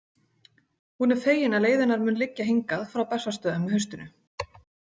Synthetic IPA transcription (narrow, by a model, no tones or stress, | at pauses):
hunɛɾ̥feːjɪnaleːjðɪnaɾmʏːnlɪcːaɦeŋkaðfɾawpɛsːast̪œːðamːɪɦœɥst̪ʏnʏ